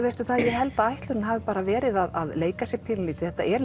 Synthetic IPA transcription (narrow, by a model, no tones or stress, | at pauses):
vest̪ʏθaðjɛɣɦɛlt̪aajht̪lʏɾɪnɦaːvɪpaːɾavɛːɾɪðaðaðleːjkasjɛpʰɪnliːt̪ɪ̥θɛ̥t̪ːa̰ʔɛɾ